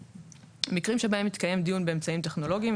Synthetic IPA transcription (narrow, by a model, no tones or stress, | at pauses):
mikʁimʃe̞bae̞mit̪kaje̞md̪ijunbe̞emt͡saimt̪eχno̞lo̞ɡiim